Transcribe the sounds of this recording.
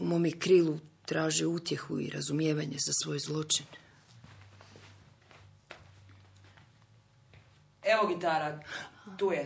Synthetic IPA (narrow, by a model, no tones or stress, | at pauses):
umo̞ːmikɾiːlˠut̪ɾaːʒiut̪je̞xuḭɾa̰zumje̞ːʋaɲe̞zasʋo̞ːjzlˠo̞t͡ʃin | eʋoɡit̪aɾat̪uːje